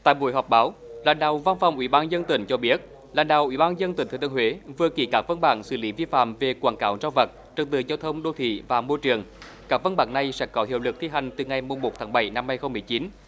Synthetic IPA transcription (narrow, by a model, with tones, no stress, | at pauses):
t̪a̰ː˧˨jɓṵ˧˩əjɦɔ˨˩wk͡p̚ɓaː˨˦wla̰ː˧˨˩nɗa̰ː˧˨wva˧nfa˨˩wŋ͡mʔwḭ˧˩˦ɓaː˧nzə˧nt̪ï˧˩˦ŋ̟t͡ɕɔ˧ɓi˦˥ət̚ | la̰ː˧˨nɗa̰ː˧˨wʔi˧˩ɓaː˧nzə˧nt̪i˨˩ŋ̟t̪ʰːt̪ːhwe˨˦vɨ˨˩əki˧˩kaː˦˥k̚və˧nɓa̰ː˧˩ŋsɨ̰˧˩li˨˦vi˧fa̰ː˧˨mve˨˩kwaː˧˩nkaː˨˦wzaː˧wvə˨˩t̚t͡ɕɔ˧˩nt̪ɨ̰˧˨zaː˧wt̪ʰə˧wŋ͡mɗo˧t̪ʰḭ˧˨vaː˨˩mo˧jt͡ɕɨ˨˩əŋ | kaː˦˥k̚və˧nɓa̰ː˧˩ŋna˨˩jsɛ̰˧˥kɔ˨˦hḭ˧˨əwlɨ˨˩k̚t̪ʰi˧ɦa˨˩jŋ̟t̪ɨ˨˩ŋa˨˩jmu˨˩mːo˨˩t̚t̪ʰaː˨˦ŋɓə˧˩jna˧mːa˧jxə˧wŋ͡mmɨ˨˩əjt͡ɕi˨˦n